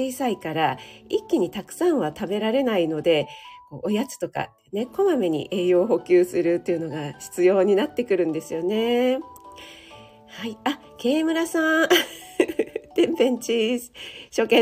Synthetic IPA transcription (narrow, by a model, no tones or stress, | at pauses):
eisaikaɾaikʲːiɲ̟it̪akɯ̟̥sãɰ̃βat̪abe̞ɾaɾe̞naino̞d̪e̞ko̞ːʔojat͡sɨ̥t̪o̞ka̰ | ne̞ko̞mame̞ɲ̟ḭʔe̞ːjo̞ːɦo̞kʲɨːsɨɾɯ̟t̪ːeɯ̟no̞ɡaɕi̥t͡sɨjo̞ːɲ̟inat̪ːe̞kɯ̟ɾɯ̟̃nd̪e̞sɨjo̞ne̞ | haia | ke̞ːmɯ̟ɾasã | t̪ẽ̞mpẽ̞ɲt͡ɕi̥ | ɕo̞kẽ